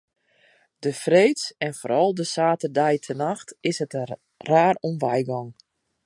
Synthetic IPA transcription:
d̥əfreːtsɛnfoːɾɔlˠdəsaːtərdɛjtʰənaxtɪshətə | raːrumʋɛjɡɔŋ

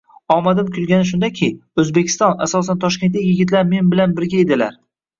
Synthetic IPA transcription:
ɒmad̪ɪmkʲʰʊlɡʲanɪʃ̬ʊnd̪akʲʰɪɵzbekʲʰɪ̥st̪ɒna̰sɒs̬ant̪ʰɒʃkʲent̪lɪkʲjɪɡʲɪt̪̬ʰlaɾme̞nbɪlanbɪɾɡʲaed̪ɪlaɾ

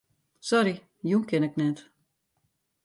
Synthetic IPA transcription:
sɔɾi | junkɪnɛk̚nɛt

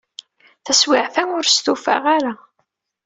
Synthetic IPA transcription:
θæswɪʕfæʊɾst̪ufa̰ʁaɾa

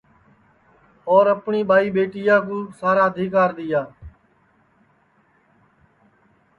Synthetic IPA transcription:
ɔːɾəpɳiːɓaːiːɓeːʈɪjaːkũːsaːɾaːəd̪ʱiːkaːɾd̪ɪjaː

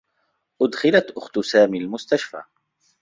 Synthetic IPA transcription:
ʔʊd̪xɪlat̪ʔʊxt̪ʊsaːmiːlmʊst̪aʃfa̰ː

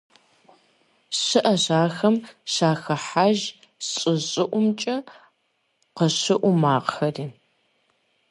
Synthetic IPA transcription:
ɕɨʔɐɕaːxɐmɕaːxɐħaʒ | ɕʼɪɕʼɪʔʷʊmt͡ʃʼɐ | qəɕɪʔʷʊmaːqxɐriː

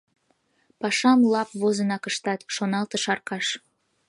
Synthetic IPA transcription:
pɑʃɑmlɑpβozənɑkəʃt̪ɑt̪ʃonɑlt̪ɤʃɑrkɑʃ

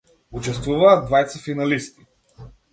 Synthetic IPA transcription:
ut͡ʃɛst̪vuvɐːd̪vajt̪səfinɐlist̪i

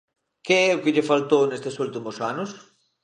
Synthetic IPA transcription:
keɛʊkɪʎɪfalt̪ownest̪ɪsult̪imʊsanʊs

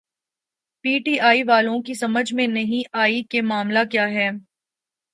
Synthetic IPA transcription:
piːʈiːʔaːiʋaːlõkisɐməd͡ʒʱmẽnɐɦĩaːikemaːmlakjaːɦɛː

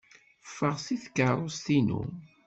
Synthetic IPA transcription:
fːəʁsiθkəɾˤost̪inṵ

